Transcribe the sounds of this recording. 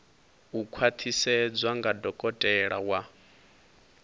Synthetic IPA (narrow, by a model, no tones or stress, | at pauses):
ukʰwat̪ʰisɛd͡zwaŋɡadɔkʼɔtʼɛɺawa